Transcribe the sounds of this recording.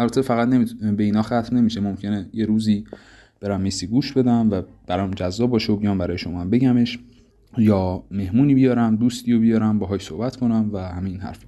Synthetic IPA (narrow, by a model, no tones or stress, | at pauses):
ælbæt̪ʰefæɣæt̪nemibeiːnɒːxæt̪ʰmne̞miʃemomcʰe̞nejeɾuːziː | b̥e̞ɾæmːisiːɡuːʃbe̞d̪æmvæb̥æɾɒmd͡ʒæzːɒːbɒːʃeobijɒːmbæɾɒːjeʃo̞mɒmbe̞ɟæme̞ʃ | jɒːme̞hmuːniːbijɒːɾæmd̪uːst̪ʰiːjobijɒːɾæmbɒːɦɒːjsohbæt̪kʰo̞næmvæhæmejinhæ̰ɾfi̥